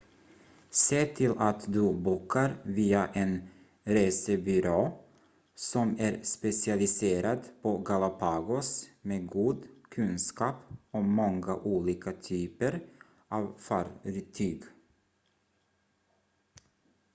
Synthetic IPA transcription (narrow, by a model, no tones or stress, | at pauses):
seːt̪ʰɪlʔat̪d̪ɵbuːkʰːaɾviːaʔɛn | ɾeːsəbʏɾoː | sɔmæɾspɛsɪalɪseːɾad̪pʰɔɡalapʰɑːɡʊsmeːɡuːd̪kʰɵnskɑːpɔmɔŋːaʔuːliːkat̪ʰyːpəɾ | ʔɑːvfaɾɾt̪ʰyːɡ